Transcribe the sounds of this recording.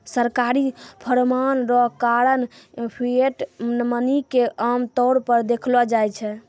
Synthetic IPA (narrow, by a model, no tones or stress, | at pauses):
səɾkaɾipʰəɾmanɾɔkaɾənpʰieʈnmənikeʔamt̪ɔɽpəɾd̪ekʰlɔd͡ʒajt͡ʃʰɛ